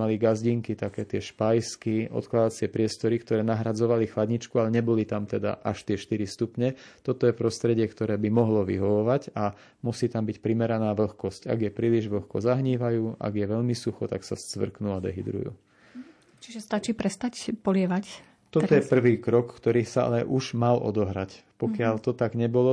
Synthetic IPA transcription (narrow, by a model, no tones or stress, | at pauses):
aliɡazɟiŋkit̪akɛːt̪ɪɛʃpajskiʔɔ̰t̪klad̪at͡sɪɛpɾɪɛst̪ɔɾikt̪ɔɾɛːnaɦɾad͡zɔʋalixlad̪ɲit͡ʃkualɛɲɛbɔlit̪amt̪ɛd̪a̰ʔaʃt̪ɪɛʃt̪iɾist̪upɲɛt̪ɔt̪ɔjɛpɾɔst̪ɾɛɟɪɛkt̪ɔɾɛːbimɔɦlɔʋḭɦɔʋɔʋaɟa | musiːt̪ambicpɾimɛɾanaːʋl̩xkɔsca̰ɡjɛpɾiːliʒʋl̩xkɔ̰zaɦɲiːʋajuːʔa̰ɡjɛʋɛʎmisuxɔt̪aksa̰st͡sʋr̩knuad̪ɛ̰ɦid̪ɾṵjṵː | t͡ʃiʒɛst̪at͡ʃiːpɾɛst̪acpɔlɪɛʋac | t̪ɔt̪ɔjɛpr̩ʋiːkɾɔkkt̪ɔɾiːsaa̰lɛʔuʒmalʔɔ̰d̪ɔɦɾacpɔkɪaʎt̪ɔt̪aɡɲɛbɔlɔ